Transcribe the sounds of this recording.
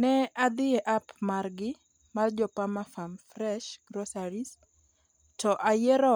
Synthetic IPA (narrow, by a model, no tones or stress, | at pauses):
nɛad̪ɪɛʔapmarɡɪ | mard͡ʒɔpamafamfrɛʃɡ̥ɾɔsaɾis | tɔʔajɛɾɔ